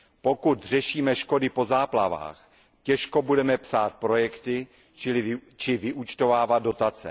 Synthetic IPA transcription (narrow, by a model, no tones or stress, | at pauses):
po̞kut̪r̝ɛʃiːmɛʃko̞dɪpo̞zaːplava̰ːx | cɛʃkobudɛmɛpsaːt̪̚pɾo̞jɛkt̪ɪ | t͡ʃɪlɪt͡ʃɪvɪʔut͡ʃt̪ovaːvad̪̚dːo̞t̪at͡sɛ̰